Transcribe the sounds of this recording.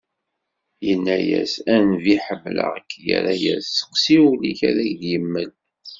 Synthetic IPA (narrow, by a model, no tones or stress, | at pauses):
jənːæjæ̰sænviħəmːlə̰ʁəkːjæ̰ɾæjæsːə̥qsiuliçæɾæʝðjəmːəl